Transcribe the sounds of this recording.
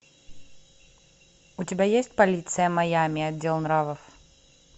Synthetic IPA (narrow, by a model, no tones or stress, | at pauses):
ʊtʲɪbʲajesʲt̚ʲpɐlʲit̪sɨjəmɐjamʲɪɐdʲːe̞lˠnɾavəf